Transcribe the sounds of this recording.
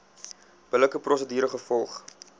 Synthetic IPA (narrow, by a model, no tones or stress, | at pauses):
b̥ələkəprɔsədyːɾəχəfɔlˠχ